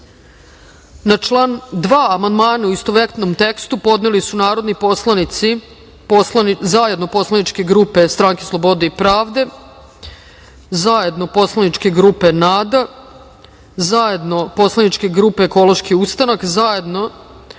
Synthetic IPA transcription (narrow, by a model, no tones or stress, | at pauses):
nat͡ʃland̪ʋaːmand̪maːnauist̪oʋekt̪nomt̪e̞kst̪upo̞d̪nelisunaːɾo̞d̪niposlˠanit̪si | polanzaje̞d̪no̞po̞slˠanit͡ʃke̞ɡɾuːpe̞st̪ɾaːŋkeslˠo̞bo̞d̪eipɾaːʋd̪e̞ | zaje̞d̪no̞po̞slanit͡ʃke̞ɡɾuːpe̞naːd̪a | zaje̞d̪no̞po̞slˠanit͡ʃke̞ɡɾuːpe̞ːko̞lo̞ʃkiust̪anakzaje̞d̪no̞